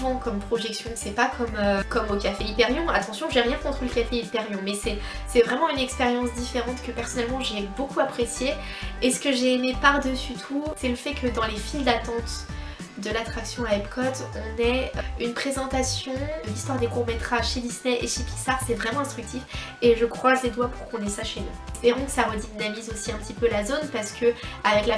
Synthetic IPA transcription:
vɑ̃kɔmpχɔʒɛksjɔ̃sɛpakɔmøkɔmokʲafeipɛʁjɔ̃at̪ɑ̃sjɔ̃ʒeʁjɛ̃kɔ̃t̪χələkʲafeipɛʁjɔ̃mɛsɛ | sɛvʁɛmɑ̃ynɛkspeʁjɑ̃s̬d̪ifeʁɑ̃t̪kəpɛʁsɔnɛlmɑ̃ʒebokuapχesje | esə̥kəʒeːmepaʁd̪əsyt̪ʰusɛləfɛkʰəd̪ɑ̃lefild̪at̪ɑ̃t̪ | d̪əlat̪χaksjɔ̃aɛpkʰɔt̪ɔ̃nɛynpχezɑ̃t̪asjɔ̃əlist̪waʁd̪ekuʁmet̪χaʒʃed̪isnɛʔeʃepi̥ksaʁsɛvʁɛmɑ̃ɛ̃st̪χyk̚t̪if | eʒəkχwazled̪wapuʁkɔ̃nɛsaʃenṵspeʁɔ̃kə̥saʁəd̪inamizosiɛ̃pət̪ipølazonpaʁsə̥kəavɛkla

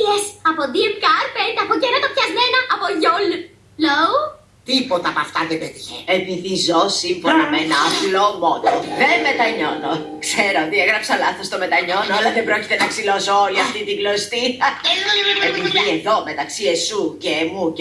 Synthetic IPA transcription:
esɐpoðiemkɐɾpent̪ɐpocenɐt̪ɐpçɐzmenɐʔːpoʝol | low | t̪ipo̞t̪ɐːpɐft̪ɐðebet̪içeepiðizosimfonɐmenɐːplo̞mo̞noðeme̞t̪ɐɲonokse̞ɾot̪ieɣɾɐpsɐlɐθost̪o̞me̞t̪ɐɲonoɐlɐðembɾo̞cit̪enɐksilozooliɐft̪it̪iɡlost̪iɐ | epiðieðo̞me̞t̪ɐksiesucemu

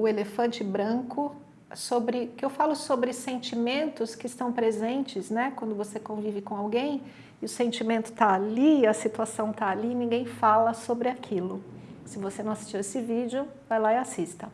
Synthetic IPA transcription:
ʊelefɐ̃nt͡ʃɪbɾɐ̃kʊ | sobɾɪkɪewfalʊsobɾɪsẽnt͡ʃimẽnt̪ʊskɪɪst̪ɐ̃w̃pɾezẽnt͡ʃɪznɛkwɐ̃nd̪ʊvosekõvivɪkõawɡẽj̃ | ɪʊsẽnt͡ʃimẽnt̪ʊ̥t̪aaliːɐsit̪uasɐ̃w̃t̪aːliːnĩŋɡẽj̃falɐsobɾɪakʰilʊsɪvosenɐ̃w̃asi̥st͡ʃiwesɪvid͡ʒʊ | vajlaiasist̪ɐ

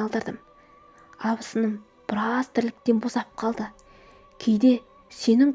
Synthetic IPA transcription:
ɑlˠd̪əɾd̪əm | ɑbəsənəm | b̥əɾɑst̪ʰɪɾlɪk̚t̪e̞nbo̞sɑp̚qʰɑlˠd̪ə | kʲʰe̞jd̪e̞ | se̞nɪŋ

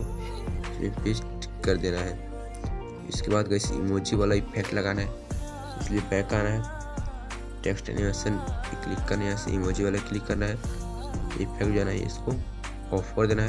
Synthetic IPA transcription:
smḭpʰɪsʈ | kəɾd̪eːnaɦɛ | ɪ̰skebaːd̪kəɪseɪ̰moːd͡ʒiʋaːlaɪpʰek̚ʈlɐɡaːnaɦɛ | ɪsliebɛːkaːnaɦɛ | ʈeːksʈɛ̰nɪʋesənklɪkːəɾnaseɪ̰moːd͡ʒiʋaːlaklɪkːɐɾnaɦɛ | ɪ̰pʰekʈd͡ʒaːnaɦɛ̰ɪ̰sko | ɔːpʰəɾd̪eːnaɦɛ

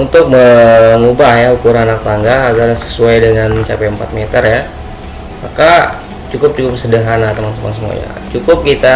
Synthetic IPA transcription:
unt̪ʊk̚məŋubahjaukuɾaŋanak̚t̪aŋɡaːɡarɲasə̥suajdəŋanməɲt͡ʃa̰pajəmpa̰t̪̚met̪ərja | maka | t͡ʃukʊp̚t͡ʃukʊp̚sədəɦanat̪əmaŋt̪əma̰ŋs̬əmua̰ɲa̰t͡ʃukʊp̚kit̪a

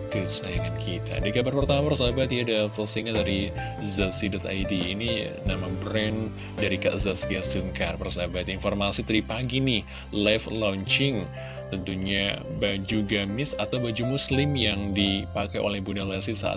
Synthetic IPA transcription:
kəsaaŋankʰit̪ʰa̰dikabərpərt̪amaapərs̬abat̪jadafəlsiŋadaɾi | zatsidɔt̪a̰jdiːni | namabɾɛn | daɾikaʔzaskasuŋkarpərsabat̪informasit̪əɾipaɡinɪh | lɛflɔɲt͡ʃɪŋ | t̪ənt̪uɲa | bad͡ʒuɡamɪsat̪awbad͡ʒumuslɪmjaŋdipakajʔo̰lɛhbudalasisa̰ʔa̰

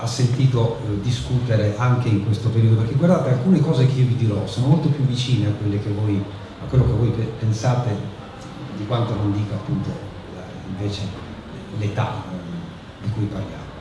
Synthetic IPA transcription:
asːent̪iːt̪od̪iskut̪eɾeʔaŋk̟eiŋkwest̪opeɾiːod̪opeɾkeɡward̪aːt̪ealkuːnekɔːzek̟eiovid̪iɾɔsoːnomolt̪opjuvːit͡ʃiːneakːwelːek̟evːoj | akːwelːokevːɔjppensaːt̪e | d̪ikwant̪onond̪iːkoapːunt̪o | iɱveːt͡ʃe | let̪a̰ | d̪ikujparlja̰ːmo

